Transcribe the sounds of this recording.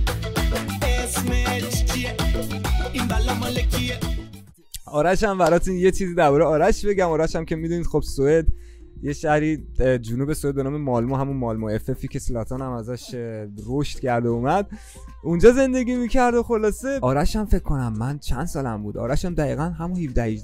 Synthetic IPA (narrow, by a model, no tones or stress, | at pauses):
esmet͡ʃʰie | inbælɔmɒlekʰie | ɒːɾæʃæmbæɾɒːt̪ʰunje̞t͡ʃʰiːziːd̪æɾbɒːɾeɒːɾæʃbe̞ɟæmɒːɾæʃæmcʰʲe̞mid̪uːniːd̪xo̞b̥soed̪ | jeʃæhɾiːd͡ʒunuːbe̞soed̪benɒːme̞mɒːlmoɦæmunmɒlmoe̞fe̞fiːcʰe̞slɒːt̪ʰonæmæzæʃɾoʃt̪cʰæɾd̪oumæd̪̚ | und͡ʒɒːze̞nd̪e̞ɡʲiːmicʰæɾd̪oxo̞lɒːse̞ɒːɾæʃæmfe̞kʰkʰːo̞næmːænt͡ʃʰænd̪̥sɒːlæ̰mbuːd̪ɒ̰ːɾæʃæmd̪æḭːɣænɦæmunhifd̪æhi